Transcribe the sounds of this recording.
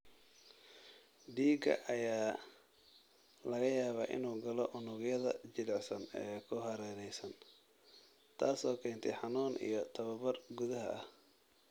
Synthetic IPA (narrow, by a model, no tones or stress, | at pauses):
ɖiːɡɐ̰ʔɐjaː | lɐɣɐjaːβa̰ːʔɪ̰nuːɡɐlɔʔʊnʊɣjɐðɐ̰t͡ʃɪlɛʕsɐnɛːkʰʊɦɐɾɛːnɛjsɐn | t̪ʰaːsɔːkʰɛːnt̪ʰɛjħɑnuːnʔḭjɞt̪ʰɐβɐβɐrɡʊðɐɦɐ̰ɐh